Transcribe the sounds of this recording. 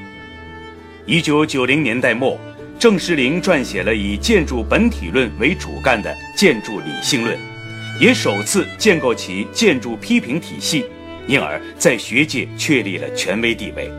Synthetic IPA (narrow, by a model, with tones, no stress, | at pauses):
i˥t͡ɕjo˧˥ʊt͡ɕjo˨˩ʊli˧˥ŋnjɛ˧˥nt̪a˥˧ɪmwɔ˥˩ | ʈ͡ʂɤ˥˧ŋʂɻ̩˥˩li˧˥ŋʈ͡ʂwa˥˩nɕjɛ˨˩lə˦i˨˩t͡ɕjɛ˥˧nʈ͡ʂu˥˩pə˧˥nt̪ʰi˨˩lwə˥˩nwe˧˥ɪʈ͡ʂṵ˨˩ka˥˩nd̪ə̰˩ | t͡ɕjɛ˥˧nʈ͡ʂu˥˩lḭ˨˩ɕi˥˧ŋlwə̰˥˩n | jɛ˧˥ʂo˨˩ʊt͡sʰɹ̩˥˧t͡ɕjɛ˥˧nko˥˩ʊt͡ɕʰi˧˥t͡ɕjɛ˥˧nʈ͡ʂu˥˩pʰi˥pʰi˧˥ŋt̪ʰḭ˨˩ɕi˥˩ | i˧˥nə̰˞˧˥ | t͡sa˥˩ɪɕɥɛ˧˥t͡ɕjɛ˥˩t͡ɕʰɥɛ˥˧li˥˩lə̰˩t͡ɕʰɥɛ˧˥nwe˧˥ɪt̪i˥˧wḛ˥˩ɪ